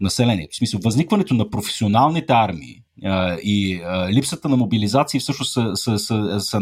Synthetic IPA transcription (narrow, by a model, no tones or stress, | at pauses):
nɐsɛlɛnʲiɛt̪o̥smisəlˠvɐznikvɐnɛt̪onɐpɾofɛ̥sionalˠnit̪ɛaɾmḭː | əiəlipsət̪ənɐmobilizat̪siːfsɤʃnosəsəsəsɐ